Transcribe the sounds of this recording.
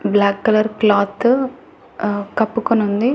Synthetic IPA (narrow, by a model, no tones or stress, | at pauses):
blaːkːɐlɐɾklaːt̪ | kɐpːukonund̪i